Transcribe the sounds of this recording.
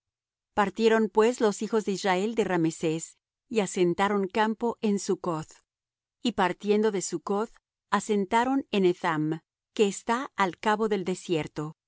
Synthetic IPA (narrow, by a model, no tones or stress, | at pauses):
paɾt̪je̞ɾo̞mpwe̞zlo̞sixo̞zðe̞izrae̞ld̪e̞ramese̞s | iase̞nt̪aɾo̞ŋkampo̞ʔe̞nsukoθ | ipaɾt̪jend̪o̞ðe̞suko̞θ | ase̞nt̪aɾo̞neneθam | ke̞ːst̪aːlkaβo̞ðe̞ld̪e̞sje̞ɾt̪o̞